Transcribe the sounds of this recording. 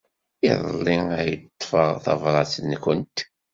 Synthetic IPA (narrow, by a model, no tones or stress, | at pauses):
ḭðˤlˤːiæjət̪ˤːfəʁθɑ̰vɾˤɑsnkənt̪